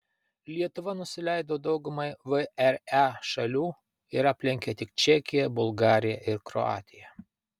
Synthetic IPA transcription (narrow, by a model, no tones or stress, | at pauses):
lʲiɛt̪ʊʋɐnʊsʲɪlʲɛˑɪd̪oːd̪ɒʊɡʊmɐɪʋɨɛɾɛʃɐlʲuː | ɪɾɐpʲlʲɪŋʲkʲɛt̪ʲɪk̚t͡ʃʲɛkʲɪjɛbʊlˠɡɑːɾʲɪjɛʔɪɾkɾɔ̰ɑ̰ːt̪ʲɪjɛ